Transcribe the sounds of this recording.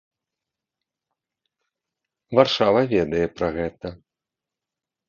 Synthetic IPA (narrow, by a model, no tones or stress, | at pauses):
varʂavɐvʲɛd̪ɐjɛpɾɐɣɛt̪ɐ